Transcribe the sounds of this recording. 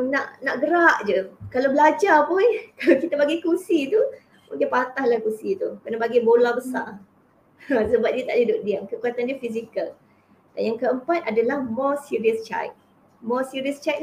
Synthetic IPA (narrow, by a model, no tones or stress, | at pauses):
naʔnaʔɡəɾaʔd͡ʒukalawbəlad͡ʒapʊnkalakit̪abaɡikusit̪u | muŋkɪnpat̪ahlahkusit̪ukənabaɡibolabəsa̰ | səbap̚diət̪aʔlidʊʔ̚diamkəkuat̪andiəfis̬ikal | d̥anjaŋkəəmpat̪̚ʔadalahmɔsiɾiəst͡ʃa̰jk̚ | mɔsiɾiəst͡ʃak̚